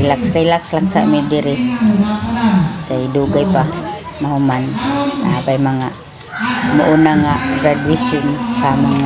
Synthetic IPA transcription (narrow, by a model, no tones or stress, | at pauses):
laksɾilakslaŋsa̰ʔmidɪɾɪ | kajduɡajpa | mahumana̰bajmaŋa | mʊʔunaŋaɾadwisʊnsamaŋa